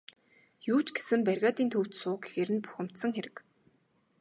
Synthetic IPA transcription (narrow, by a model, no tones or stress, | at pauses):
juːt͡ɕɡe̥sɘ̆mpærɣaːt̪iːnt̪ʰɵw̥t̪sʊːɡexeɾɘ̆npu̥xʲɪ̆m̥t̪sə̆ŋxeɾɘ̆k